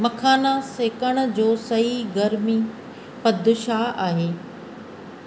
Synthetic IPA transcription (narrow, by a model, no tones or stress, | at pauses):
mɐkʰaːnaseːkəɽ̃ə̆d͡ʑoːsɐɦiɡɐɾmi | pɐd̪ʱʊʃaaːɦeː